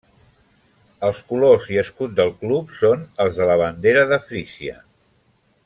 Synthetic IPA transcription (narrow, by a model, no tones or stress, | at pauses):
əlˠskuloziəskut̪̚d̪əlˠklupsonəlˠzðələβ̞ənd̪eɾəðəfɾisiə̰